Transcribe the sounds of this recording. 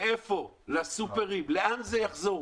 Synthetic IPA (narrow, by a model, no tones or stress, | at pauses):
efo | lasupeʁimleanzejaχzo̞